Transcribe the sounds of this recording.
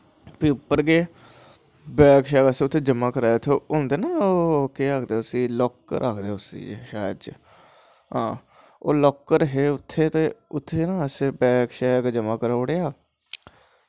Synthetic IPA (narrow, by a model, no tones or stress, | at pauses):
piːʊpːəɾɡeː | bɛːkʃaːkəsẽʊt̪ʰːeːd͡ʒəmãːkəɾaːjʊt̪ʰːeːoːnd̪eːnaːoːkeːakʰd̪eːʊsiːlɔːkːə̰ɾʔaːkʰd̪eːʊsḭːʃaːjd̪d͡ʒ | ɦãː | oːlɔːkːəɾɦeːʊt̪ʰːeːt̪eːʊt̪ʰːeːnãːəseːbɛːkʃɛːɡd͡ʒəmãːkəɾaːʊɽeːaː